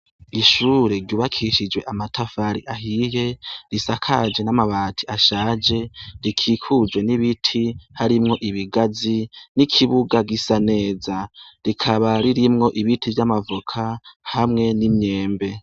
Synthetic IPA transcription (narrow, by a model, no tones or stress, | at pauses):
iʃuːɾe̞ɾɟuːβakʰiʃid͡ʒwe̞ʔamatʰafaɾiʔaɦije̞ɾisakʰad͡ʒe̞namaβaːtʰi̥aʃaːd͡ʒe̞ɾikʰiːkʰud͡ʒwe̞niβitʰihaɾimŋo̞ʔiβiɡazinikʰiβuɡaɡisane̞ːzaɾikʰaβaɾiɾimŋo̞ʔiβitʰivjamavukʰahamŋe̞nimɲe̞ːmbe̞